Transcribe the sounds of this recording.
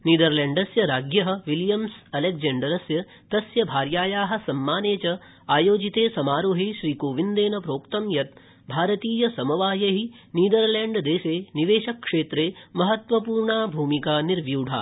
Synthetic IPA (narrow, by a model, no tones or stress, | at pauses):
niːd̪ɐɾleːɳɖɐsjɐɾaːɡjɐɦɐ̆ʋiljɐmsɐlek̚d͡ʒeɳɖɐɾɐsjɐ | t̪ɐsjɐbʱaːɾjaːjaːɦɐ̆sɐmːaːneːt͡ʃɐ | aːjoːd͡ʒit̪eːsɐmaːɾoːɦeʃɾiːkoːʋind̪eːnɐpɾoːkt̪ɐmjɐt̪̚ | bʱaːɾɐt̪iːjɐsɐmɐʋaːjɐɦi | niːd̪ɐɾleɳɖd̪eːʃeːniʋeːʃɐkʂeːt̪ɾeːmɐɦɐt̪ʋɐpuːɾɳaːbʱuːmikaːniɾʋjuːɖʱa̰ː